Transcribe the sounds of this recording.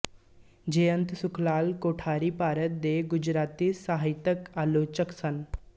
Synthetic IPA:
d͡ʒeːjə̃nt̪sʊkʰlaːlkoːʈʰaːɾipaːɾət̪̚d̪eːɡʊd͡ʒɾaːt̪isaːɦɪt̪əkaːloːt͡ʃəksən

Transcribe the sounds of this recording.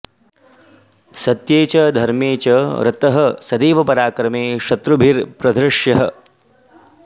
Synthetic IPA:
sɐt̪jeːt͡ʃɐd̪ʱɐɾmeːt͡ʃɐɾɐ̰t̪ɐɦɐsɐd̪iːʋɐpɐɾaːkɾɐmeːʃɐt̪ɾubʱiɾpɾɐd̪ʱɾɪʂjɐɦɐ

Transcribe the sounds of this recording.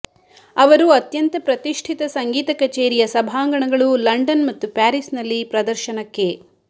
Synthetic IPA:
ɐʋɐɾuɐt̪jɐnt̪ɐpɾɐt̪iʂʈʰit̪ɐsɐŋɡiːt̪ɐkɐt͡ʃeːɾijɐsɐbʱaːŋɡɐɳɐɡɐɭulɐɳɖɐnmɐt̪ːupaːɾisnɐlːipɾɐd̪ɐɾʃɐnɐkːe̞

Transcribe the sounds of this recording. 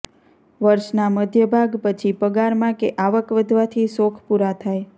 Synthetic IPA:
ʋəɾʃnaməd̪ʱjəbʱaɡpət͡ʃʰipəɡaɾmãkeʔaʋəkʋəd̪ʱʋat̪ʰisokʰpuɾat̪ʰaj

